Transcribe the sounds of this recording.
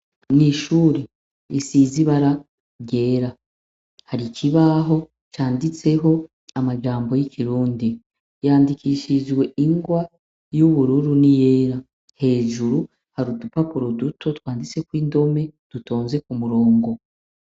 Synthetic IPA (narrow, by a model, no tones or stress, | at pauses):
niʃuːɾe | isiziβaɾa | ɾɟe̞ːɾa | haɾiciβaɦo̞ | t͡ʃaːndit͡se̞ɦo̞ | amaʒaːmbo̞jiciɾuːndi | jaːndikiːʃiʒɡwe̞iŋɡwa | juβuɾuɾunije̞ːɾa | he̞ːʒuɾu | haɾudupapuɾo̞dutʰo̞twaːndit͡se̞kwiːndo̞me̞d̥uto̞ːnze̞kumuɾo̞ːŋɡo̞